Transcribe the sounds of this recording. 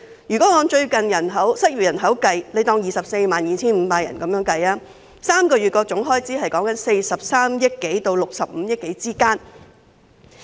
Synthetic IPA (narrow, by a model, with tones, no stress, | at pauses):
jyː˨kɔː˨˥ŋɔː˨˧nt͡ʃɵ˧ɥkɐ˨njɐ˨˩nɦɐ˨˥wsɐ˥t̚ɥy˨˩jɐ˨˩nɦɐ˨˥wkɐ˧jle˨˧jt̪ɔː˧ŋjiː˨sɐ˨p̚se˧jmaː˨njiː˨˧t͡sʰiː˥nm̩ː˨˧paː˧k̚jɐ̰˨˩nkɐ˨˦mjœː˨˥ŋkɐ˧jaː˥ | saː˥mkɔː˧ɥyː˨t̚kɔː˧t͡sʊ˨˥ŋɦɔː˥jt͡siː˥hɐ˨jkɔː˨˥ŋkɐ˨˥nse˧jsɐ˨p̚saː˥mjɐ˥t̚ke˨˥jt̪o˧wlʊ˨k̚sɐ˨p̚m̩˨˦jɪ˥k̚e˨˥jt͡siː˥kaː˥n